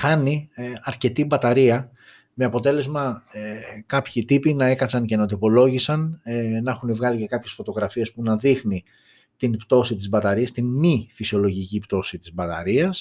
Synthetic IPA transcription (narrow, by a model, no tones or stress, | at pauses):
xɐniɐɾce̞t̪ibɐt̪ɐɾiɐ | me̞ɐpo̞t̪e̞le̞zmɐ | kɐpçit̪ipinɐe̞kɐsɐncenɐt̪opo̞lo̞ʝisɐnnɐexunevɣɐlice̞kɐpçe̞sfo̞t̪o̞ɣɾɐfie̞spunɐðixni | t̪inpt̪o̞sit̪̬izbɐt̪ɐɾiɐst̪inmifisio̞lo̞ʝicipt̪o̞sit̪izbɐt̪ɐ̰ɾiɐs